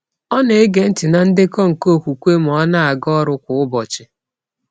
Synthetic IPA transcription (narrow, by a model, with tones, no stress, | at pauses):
ɔ˦ne˨e˦ɡe˨n̩˦tɪ˨na˨n̩˦dɪ˦kɔ˦ŋ̩˨ko˦˨kʷu˨kʷe˦m̩˨ɔ˦na˦a˨ɡɔ˦ɾʊ˦kʷʊ˨ʊ˦bɔ˨t͡ʃɪ˨